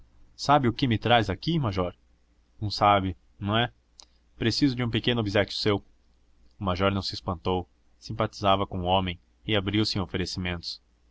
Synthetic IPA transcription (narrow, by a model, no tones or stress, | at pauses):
sabɪʊkɪmɪt̪ɾazakimaʒɔɾ | nɐ̃w̃sabɪ | nɐ̃w̃ɛ | pɾesizʊd͡ʒɪũpekẽnʊobizɛkjʊ̥sew | ʊmaʒɔɾnɐ̃w̃sɪspɐ̃nt̪ow | sĩpat͡ʃi̥zavɐkõʊõmẽj̃ | ɪabɾiwsɪẽofeɾesimẽnt̪ʊ̥s